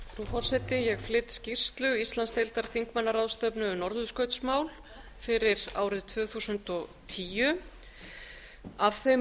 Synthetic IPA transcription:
fɾufɔr̥sɛt̪ɪjɛɣflɪt̪scir̥st̪lʏɣist̪lanst̪ejlt̪aɾ̥θiŋkmɛnːaɾaðst̪œpnʏʏnɔɾðʏðskœɥt̪smaːwl | fɪɾɪɾa̰ːwɾɪðt̪ʰvʏːθusʏnt̪ɔɣt̪ʰiːjʏ | avθem

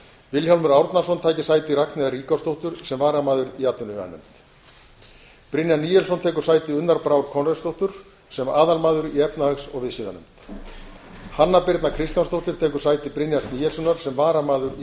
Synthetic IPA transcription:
vɪlçawlmʏɾawɾt̪nḁsɔnt̪ʰaːjcɪ̥saːjt̪ɪraknɪðariːkawst̪owht̪ʏɾ̥sɛmvaːɾamaːðʏɾiaːt̪ːʏnʏa̰nʏ̰mt̪ | pɾɪnjanːiːjɛlsɔnt̪ʰɛːkʏɾ̥saːjt̪ɪʏnːaɾpɾawɾkʰɔnrɛst̪owht̪ʏɾ̥ | sɛmaːðalmaːðʏɾiɛpnahœksɔɣvɪðsɪːða̰nʏ̰mt̪ | hanːapɪɾt̪nakʰɾɪst̪janst̪owht̪ʏɾ̥t̪ʰɛːkʏɾ̥saːjt̪ɪpɾɪnjansniːjɛlsɔnaɾ̥sɛmvaːɾamaːðʏɾ

